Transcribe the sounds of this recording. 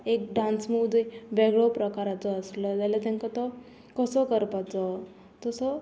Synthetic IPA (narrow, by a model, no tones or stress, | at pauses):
ek̚ɖãnsmud͡zəʋeɡɭɔpɾəkaɾat͡sɔːslɔt̪jalat̪ãŋkat̪ɔ | kɔsɔkəɾpat͡sɔ | t̪ɔsɔ